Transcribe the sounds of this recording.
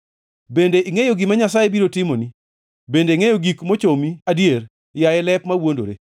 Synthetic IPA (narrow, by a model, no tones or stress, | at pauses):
bendeʔiŋejoɡɪmaɲasajebiɾotɪmoni | bendeiŋejoɡikmot͡ʃomiadjer | jajɛlɛpmawondo̰ɾe